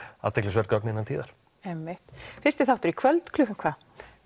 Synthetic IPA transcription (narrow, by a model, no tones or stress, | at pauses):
a̰t̪ʰːɛklɪsvɛɾt̪̚kɔk̚nɪnːant̪ʰiːðaɾ̥ | ɛmːɪht̪fɪɾ̥st̪ɪθaw̥t̪ʏɾikʰvœlt̪kʰlʏhʏmkʰvaː